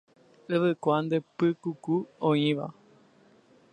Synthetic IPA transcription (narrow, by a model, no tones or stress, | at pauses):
ɨʋɨkʷand̪epɨkukuõĩʋa̰